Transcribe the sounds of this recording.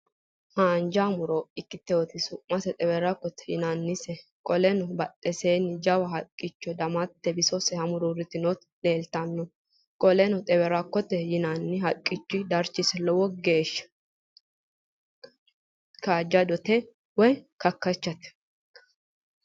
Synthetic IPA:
haːnd͡ʒamʊɾɔɪkːɪt̪ːɛwɔt̪ɪsʊʔmɐsɛt̪ʼɛbɛɾɐkːɔt̪ɛ̥jɪ̰nanːɪsɛkʼɔlɛnɔbɐt̪ʼːɛseːnɪd͡ʒɐwɐɦɐkʼːɪt͡ʃːɔd̪ɐmɐt̪ːɛbɪsɔsɛhɐmʊɾɔɾɪt̪ɪnɔt̪ | le̞ːlt̪ɐnːɔ | kʼɔlɛnɔt̪ʼɛbɛɾɐkːɔt̪ːɛjɪnanːɪɦɐkʼːɪt͡ʃːɪd̪ɐɾt͡ʃːɪsɛlɔwɔɡeːʃːɐ̥ | kaːd͡ʒːɐd̪ɔt̪ɛ | wɔjkɐkːɐt͡ʃːɐt̪ɛ̥

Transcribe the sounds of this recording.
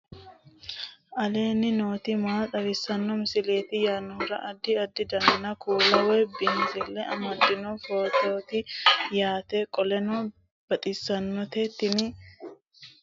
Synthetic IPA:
ʔɐle̞ːnːɪno̞ːt̪ɪmaːt̪ʼɐɾɪsɐnːɔmɪsɪleːt̪ɪjaːnːɔɾɐ̰ʔɐd̪ːɪɐd̪ːɪd̪ɐŋɡ̪ɪnɐkʰuːlɐwɛbɪnzɛlːɛʔɐmɐd̪ːɪnɔfoːt̪oːt̪ɪjaːt̪ekʼɔlɛnɔ | b̥ɐt̪ʼɪsːɐnːɔt̪et̪ːɪnɪ

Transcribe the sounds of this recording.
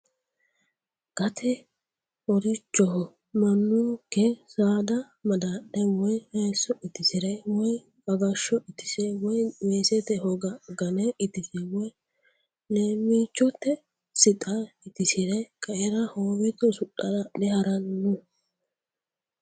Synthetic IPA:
ɡ̥ɐt̪ʰɛ | ɔɾɪt͡ʃːɔhɔ | mɐnːʊkɛsaːd̪ɐ | mɐd̪aɗːɛwɔjmɛːsːɔʔɪt̪ɪsɪɾɛwɔj | bɐɡɐʃːɔɪt̪ɪsɛwɔjmeːsɛt̪ɛhɔɡɐɡɐnɛɪt̪ɪsɛwɔj | nemiːt͡ʃːɔt̪ːɛ | sɪt̪ʼaɪt̪ɪsɪɾɛkʼɐʔɛɾɐhoːmɪt̪ɔsʊɗːɐdɐɗɛhɐɾɐnːʊ

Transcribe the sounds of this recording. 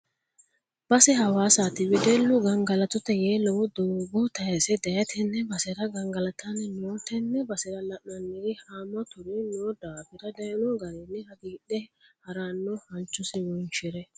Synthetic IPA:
b̥ɐsɛhɐwaːsaːt̪ɪbɪd̪ɛlːʊɡɐŋɡɐlɐt̪ʊt̪ːɛjeːlːɔwɔd̪oːɡɔt̪ɐjɐsɛd̪ɐjɐt̪ʰɛnːɛbɐsɛɾɐɡɐŋɡɐlɐt̪ʰɐnːɛnoːt̪ɛnːɛbɐsɛɾɐlɐʔnɐnːɪd̪ɪhaːmːɐt̪ʊɾɪnoːd̪aːfɪɾɐd̪ɐjɐnɔɡɐɾɛnːɛhɐɡiːɗɛhɐɾanːɔhɐnt͡ʃːʊsɪwɔnʃɛɾɛ

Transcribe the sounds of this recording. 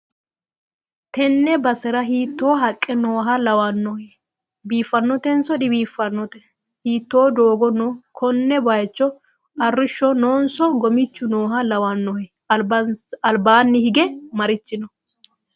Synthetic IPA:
t̪ɛnːɛbɐsɛɾɐɦiːt̪ːo̞ːɦɐkʼːɛnoːɦɐlɐwanːɔhɛ | biːfːɐnːɔt̪ɛnsɔᶑɪbiːfːɐnːɔt̪ɛ | hiːt̪ːoːd̪o̞ːɡɔnɔkʰɔnːɛbajt͡ʃːɔ | ɐrːɪʃːɔnoːnsɔɡɔmɪt͡ʃːʊnoːɦɐlɐwanːɔhɛ | bɐɐlbaːnːɪhɪɡɛmɐɾɪt͡ʃːɪnɔ

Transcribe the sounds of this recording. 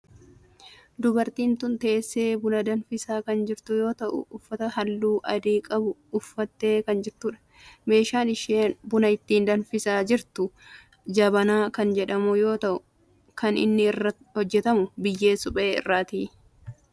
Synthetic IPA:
d̪ʊbɐɾt̪iːnt̪ʊnt̪eːsːeːbʊnɐd̪ɐnfɪsaːkɐnd͡ʒɪɾt̪ʊjo̞ːt̪ɐʔʊ̰ʔːfːɐt̪ɐhɐlːuːʔɐd̪iːkʼɐbʊːfːɐt̪ːe̞ːkɐnd͡ʒɪɾt̪ʊᶑɐ̥ | me̞ːʃaːnɪʃeːnbʊnɐɪt̪ːiːnd̪ɐnfɪsaːd͡ʒɪɾt̪ʊ | d͡ʒɐbɐnaːkɐnd͡ʒɛᶑɐmujo̞ːt̪ɐʔʊ | kɐnɪ̰nːɪːrːɐ | hɔd͡ʒːɛt̪ɐmʊbɪjːe̞ːsʊpʼeːɪ̰rːaːt̪iː

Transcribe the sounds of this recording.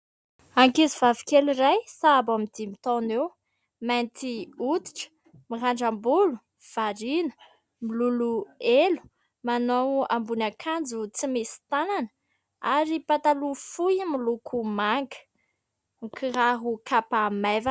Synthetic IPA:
aŋkizivavi̥keliɾajsabamid̪̥imit̪onew | mant̪ʰiut̪i̥ʈ͡ʂə̥ | miraɳɖ͡ʐambulu | v̥aɾinə̥ | miluluelu̥ | manowambunakʰand͡zut͡simesi̥t̪ananə̥ | aɾipat̪alufujmilukʰumaŋɡə̥ | ŋikʰiraɦukʰapamava

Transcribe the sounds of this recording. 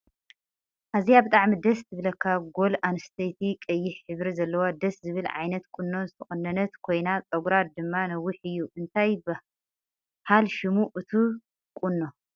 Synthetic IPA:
ʔaziabɨt̪ʼaʕmid̪ɐst̪ʰɨβlɐkʰːaɡo̞lanɨst̪ʰejt̪ʰikʼɐjːɪħħɨβɾizɐlːɐwad̪ɐszɨβɨlʕa̰jnɐt̪kʼunːonzɨt̪ʰɐχʼɨnːɐnɐt̪kʰo̞jnat͡sʼɐɡuɾad̪ɨmːanɐwiħɨjːuʔɨnt̪ʰajbɨ | ħalʃimuʔɨt̪ʰu | kʼunːo

